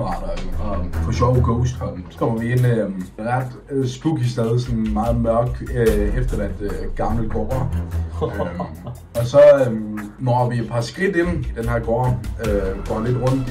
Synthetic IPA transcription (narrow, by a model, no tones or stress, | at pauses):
ʁɑ̰̈d̥ɐɒfɒ̽ɕɒʊɡ̥oʊsd̥hɒ̽nsɒ̥kʰɒ̽m̰ɐʋie̝n̰øʁɑd̥ | sb̥uɡ̥isd̥eð̞ˠsɒ̽nmɑ̈ːð̞̩ˠmɶɐɡ̥̚d̥efd̥ɐʋæn̰d̥əɡ̥ɑ̈mləɡ̥ɒ̰ːɐ | ɒ̽sɒ̽ | nɒʋie̝d̥̚pʰɑ̈sɡ̥ʁid̥e̝nid̥enɦḛɐ̰ɡ̥ɒ̰ːøɡ̥ɒ̰ːle̝d̥ʁɔ̽n̰d̥